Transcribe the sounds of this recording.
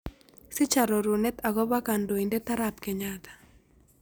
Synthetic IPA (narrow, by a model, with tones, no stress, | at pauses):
sɪ˦t͡ʃa˨ɾɔ˨ɾu˨nɛ˦t̪a˨ɣɔ˦ba˦ka˨ndo˨inde˦t̪a˦ɾapkɛ˨ɲat̪ḁ˨